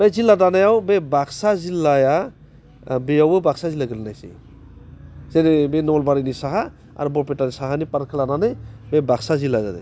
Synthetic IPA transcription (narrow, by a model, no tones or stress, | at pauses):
bejziladanajawbebaksazilːaja | bejawbɯbaksazilaɡɯlnajsḭ | zenebenɔlbaɾinisaɦa | a̰ɾbɔɾpetanisaɦanipaɾkʰɯlananajbebaksazilaza̰dḛ